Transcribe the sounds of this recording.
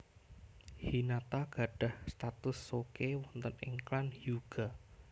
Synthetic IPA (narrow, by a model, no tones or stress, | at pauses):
hinat̪aɡ̥a̤ɖ̥a̤hst̪at̪ʊsːokewɔnt̪ənɪ̰ŋklanjuɡ̥a